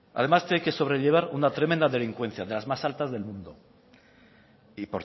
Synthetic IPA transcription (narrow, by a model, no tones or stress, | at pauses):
a̰ð̞e̞mast̪ejke̞so̞β̞ɾe̞ʎe̞β̞aɾunat̪ɾemẽnd̪aðe̞liŋkwe̞n̟θjaðe̞lazmasalt̪azðe̞lmũnd̪o̰ | ipoɾ